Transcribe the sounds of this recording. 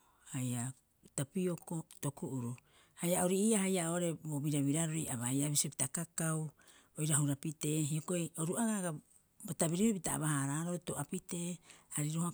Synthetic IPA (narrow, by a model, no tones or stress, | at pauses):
haja | tapioko̞to̞kuʔuɾu | hajaoɾiʔiaɦajaoɾe̞bobiɾaβiɾaɾoiaβajaβisopitakakaw | ojɾaɦuɾapite̞ːɦioko̞ioɾuaɡaɡa | botabiɾihopitaa̰βahaɾaɾo̞to̞ʔapite̞ːaɾiɾoha